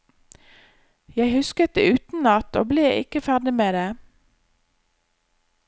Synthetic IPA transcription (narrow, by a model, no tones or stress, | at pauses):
jæɪhʉskət̪̚d̪ḛːʉːt̪n̩nɑt̪ʰo̰ːbleːɪ̰kəfæʁɖ̪ɪmeːd̪eː